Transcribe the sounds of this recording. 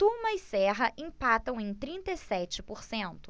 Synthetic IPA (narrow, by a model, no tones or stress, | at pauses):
t̪uɾmɐisɛɦɐʔĩpat̪ɐ̃w̃ẽj̃t̪ɾĩnt̪ejsɛt͡ʃɪpoɾsẽnt̪ʊ̥